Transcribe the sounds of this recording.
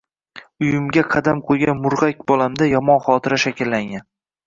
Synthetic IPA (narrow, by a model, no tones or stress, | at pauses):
ʊjɪmɡʲaqʰɑd̪amqʰoɡʲanmʊɾʁakʲbɒlˠamd̪ajɒmɒnχɒt̪ʰɪɾaʃakʲɪlːaŋɡʲan